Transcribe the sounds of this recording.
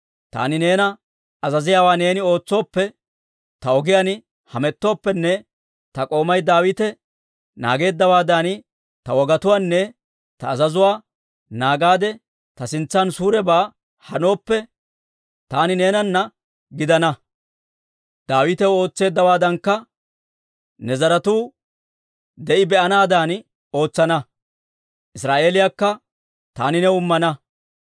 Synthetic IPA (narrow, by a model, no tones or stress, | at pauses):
t̪a̰ːnɪne̞ːnɐ | ɐzɐzɪjaːwaːne̞ːnɪo̞ːt͡sːo̞ːpːɛ | t̪ɐɔɡɪjan | hɐmɛt̪ːo̞ːpːɛnːɛ | t̪ɐkʼo̞ːmɐjd̪aːwɪt̪ɛ | na̰ːɡe̞ːd̪ːɐwaːd̪ɐn | t̪ɐwɔɡɐt̪ʊwaːnːɛ | t̪ɐːzɐzʊwaː | naːɡaːd̪ɛ | t̪ɐsɪnt͡sːansuːɾɛbaː | hɐno̞ːpːɛ | t̪aːnɪne̞ːnɐnːɐ | ɡɪd̪ɐnɐ | d̪̥aːwɪt̪ɛwo̞ːt͡sːe̞ːd̪ːɐwaːd̪ɐŋkːɐ | nɛzɐɾɐt̪uː | d̪ɛʔɪbɛʔɐnaːd̪aːn | o̞ːt͡sːɐnɐ | ʔɪsɾaːʔe̞ːlɪjaːkːɐ | t̪aːnɪnɛʊmːɐnɐ